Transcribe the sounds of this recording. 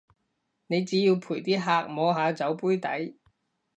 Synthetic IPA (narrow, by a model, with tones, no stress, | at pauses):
ne˨˧jt͡siː˨˥jiː˧wpʰuː˨˩jt̪iː˥ɦaː˧k̚mɔː˨˧ɦaː˨˧t͡sɐ˨˥wpuː˥jt̪ɐ̰˨˥j